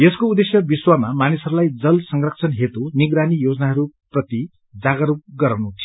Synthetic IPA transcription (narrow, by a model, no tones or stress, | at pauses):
jeskoud̪esjʌbiswamamanisʌɾulajd͡zʌlsʌŋrʌk̚t͡sʰʌnɦet̪oniɡɾanijod͡zʌnaɦʌɾuprʌt̪i | d͡zaɡʌɾup̚ɡʌɾawnut̪ʰi